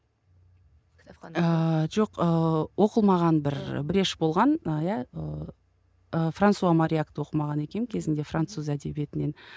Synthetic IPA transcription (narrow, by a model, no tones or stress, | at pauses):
əʒo̞qəwʔo̞qəlˠmɑʁɑnbɪɾ̰bɪɾe̞ʃbolˠʁɑnəjæə | əfrant̪suamaɾʲijakt̪əwo̞qəmɑʁɑne̞kʲe̞nkʲʰe̞zɪnd̪e̞frant̪suzæd̪e̞bije̞t̪ɪne̞n